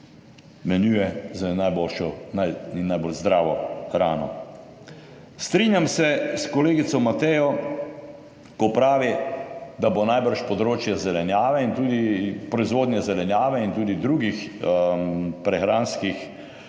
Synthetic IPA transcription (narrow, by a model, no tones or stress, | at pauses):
mɛnjujɛzanajboːlʃɔnajinːajbolzd̪ɾaːʋɔxɾaːnɔ̰ | st̪ɾinjamsɛskɔleːɡit̪sɔmat̪ɛjɔ | kɔpɾaːʋid̪abonajbəɾʃpɔd̪ɾoːt͡ʃjazɛlɛnjaːʋɛint̪uːd̪ipɾɔizʋoːd̪njɛzɛlɛnjaːʋɛint̪uːd̪id̪ɾuːɡix | pɾɛxɾaːnskix